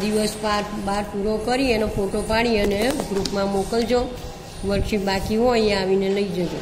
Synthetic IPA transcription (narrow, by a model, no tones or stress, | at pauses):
d̪iʋəspaɾbaɾpuɾokəɾienefoʈopaɽ̃iəneɡɾupmãmokəld͡ʒo | ʋəɾʃibakiɦoəjãaʋineləid͡ʒəje